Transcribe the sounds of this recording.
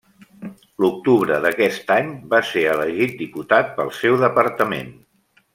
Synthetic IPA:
luk̚t̪uβɾəðəkɛst̪aɲbaseɾələʒit̪̚d̪iput̪at̪̚pə̰lˠsɛwðəpəɾt̪əmḛn

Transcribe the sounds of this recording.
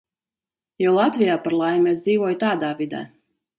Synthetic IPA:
jɔwlˠat̪vʲijaːpaɾlˠajmesd̪ziːvɔjt̪aːd̪aːvid̪ɛ̰ː

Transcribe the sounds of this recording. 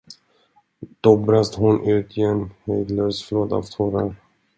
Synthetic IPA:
d̪̥ɔbɾast̪ɦʊnʔʉ̟ːt̪ʰɪɛnːhœd̪løːsfloːd̪a̰ft̪ʰuːɾaɾ

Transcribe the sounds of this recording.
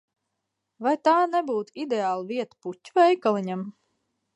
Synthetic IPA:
vajt̪aːnɛbuːt̪id̪eaːlˠviɛt̪putʲːuvɛjkalˠiɲam

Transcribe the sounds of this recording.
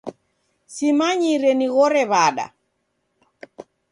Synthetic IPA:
simaɲiɾɛniɣɔɾɛβaɗa̰

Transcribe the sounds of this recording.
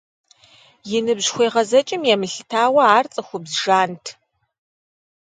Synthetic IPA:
jɪnɨbʑxʷeːʁɐzɐt͡ʃʼɪmjɛmɨɬɨtʰaːwɐaːrt͡sʼɐxʷʊbzʒaːntʰ

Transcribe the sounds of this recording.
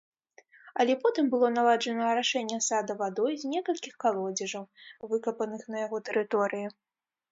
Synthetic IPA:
ɐlʲɛpɔt̪ɨmbɨlˠɔnalˠad͡ʐɐnɐɾaʂɛnʲːɛsad̪ɐvad̪ɔjzʲnʲɛkɐlʲkʲixkalˠɔd͡zʲɛʐɐwvɨkɐpɐnɨxnɐjaɣɔt̪ɛɾɨt̪ɔɾɨji

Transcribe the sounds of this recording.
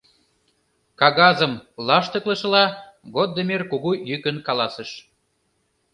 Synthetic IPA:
kɑɣɑzəmlɑʃt̪ə̆klə̆ʃə̆lɑ | ɣod̪ːəmerkuɣujykə̆nkɑlɑsə̆ʃ

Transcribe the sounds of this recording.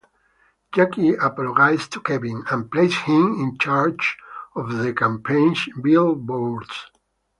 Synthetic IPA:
d͡ʒakiapɔlɔɡajst̪ʰukʰɛbĩnæ̃npleɪshĩmĩnt͡ʃaɹd͡ʒɔvðəkãmpʰẽnʃbilbɔɹds

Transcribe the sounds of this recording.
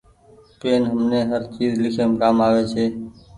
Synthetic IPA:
peːnɦəmneːɦəɾt͡ʃiːzlɪkʰeːmkaːmaːʋeːt͡ʃʰeː

